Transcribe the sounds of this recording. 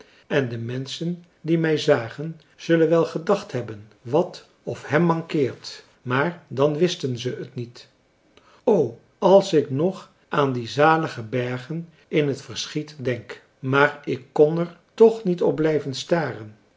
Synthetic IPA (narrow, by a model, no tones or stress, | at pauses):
ɛndəmɛnsən | dimɛjzaːχən | z̥ɵlənʋɛlˠχədɑχtɦɛbən | ʋɑt | ɔfhɛmːɑŋkɪːɹt | maːɹdɑnʋɪstənzəətnit | ow | ɑlˠsɪknɔχ | ʔaːndizaːləχəbɛɹχən | ɪnɦətfəɹsχitdɛŋk | maːɹɪkːɔnɛɹtɔχnitɔb̚blɛjvənstaːrən